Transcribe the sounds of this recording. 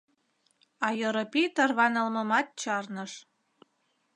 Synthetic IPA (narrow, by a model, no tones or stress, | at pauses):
ɑjɤɾɤpit̪ɑrβɑnə̆lməmɑt̪̚t͡ɕɑrnəʃ